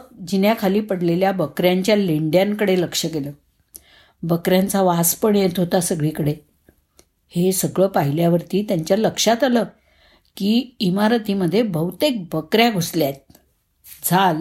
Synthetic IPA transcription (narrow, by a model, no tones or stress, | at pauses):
d͡ʑinjakʰaliːpəɽleljabəkɾjaɲt͡ɕjaleɳɖjãŋkəɽeləkʂəkeləː | bəkɾjãnt͡saʋaspəɳjet̪ʰɦot̪asəɡɭiːkəɽe | hesəɡɭəːpaɦiljaʋəɾt̪iːt̪jaɲt͡ɕjaləkʂat̪aləː | kiːimaɾət̪iməd̪ʱːjebəwt̪ek̚bəkɾjaɡʱusljat̪̚ | d͡zʱal